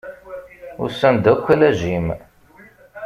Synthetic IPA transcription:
ʊ̰sænd̪ækʷːælæʒim

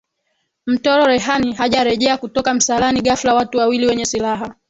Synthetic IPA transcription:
m̩tɔɾɔɾɛɦaniɦaʄaɾɛʄɛakutɔkam̩salaniɠaflawatuwawiliwɛɲɛsilaɦa

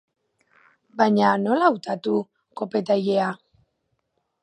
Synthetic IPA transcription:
bajɲano̞lawt̪at̪u | ko̞pe̞t̪aje̞a

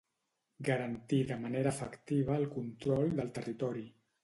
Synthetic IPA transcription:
ɡəɾənt̪iðəməneɾəfəkt̪iβ̞əːlˠkunt̪ɾɔld̪əlˠt̪ərit̪ɔɾi

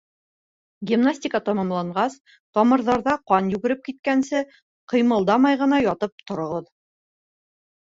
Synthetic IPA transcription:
ɡʲimnasʲtʲɪkɑt̪ɑmɑmlˠɑɴɢɑs | t̪ɒmɤ̆ɾðɑɾðɑqɑnjʉɡɘ̆ɾɘp̚kit̪̚kænsɘ | qɤ̆jmɤ̆lˠd̪ɑmɑjʁɤ̆n̪ɑjɒt̪ɤp̚t̪ŏɾŏʁɤð

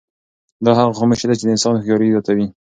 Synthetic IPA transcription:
d̪ɑɦaɣaxomɪʃed̪at͡ʃed̪əɪnsɑnxjɑɾizɑt̪awi

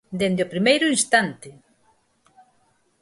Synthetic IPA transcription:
d̪end̪eopɾimejɾʊinst̪ant̪ɪ

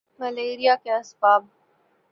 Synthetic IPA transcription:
mɐleːɾijakeɐsbaːb̚

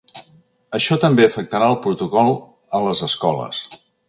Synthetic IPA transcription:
əʃɔt̪əmbeəfək̚t̪əɾaəlˠpɾut̪ukɔlˠ | ələzəskɔlə̰s

